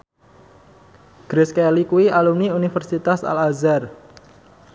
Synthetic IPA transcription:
ɡ̥ɾeskelikuiʔalumniunifərsit̪asa̰lazar

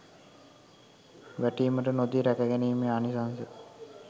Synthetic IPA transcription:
ʋæʈiːməʈənod̪iɾækəɡæniːmeanisansə

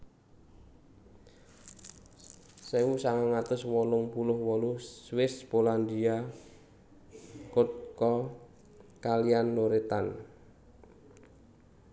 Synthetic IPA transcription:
sɛwusaŋaŋat̪ʊswɔlʊŋpulʊhwɔluswɪspoland̪ia | kʊt̪̚kɔ | kalianloɾet̪an

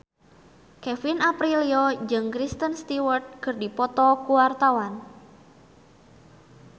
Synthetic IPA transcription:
kɛfinapɾiliɔd͡ʒɨŋkɾist̪ənst̪iwərt̪̚kɨrdipɔt̪ɔkuwart̪awan

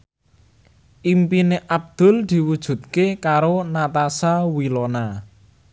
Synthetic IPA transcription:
ʔimpineʔab̚d̪̥ʊ̤ld̪̥i̤wud̥ʒ̥ṳt̪̚kekaɾonat̪asawilona

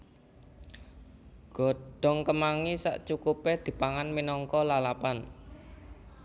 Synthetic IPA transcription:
ɡ̥ɔ̤ɖ̥ɔ̤ŋkəmaŋisa̰ʔt͡ʃukuped̪̥i̤paŋanminɔŋkɔlalapan

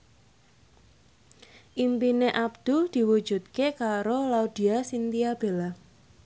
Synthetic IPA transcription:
ʔimpineʔab̚d̪̥ud̪̥i̤wu̥d͡ʒ̥ṳt̪̚kekaɾolaud̪̥i̤asint̪iab̥e̤la

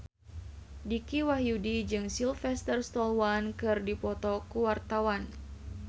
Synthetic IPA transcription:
dikiwaɦjudid͡ʒɨŋsilfɛst̪ərst̪ɔlwankɨrdipɔt̪ɔkuwart̪awan

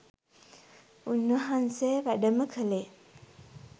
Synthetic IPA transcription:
unːʋəɦansejʋæɖəməkʰəle

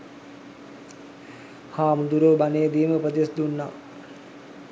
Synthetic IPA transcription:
haːmud̪uɾoːbaneːəd̪iːməupəd̪esd̪unːa̰ː

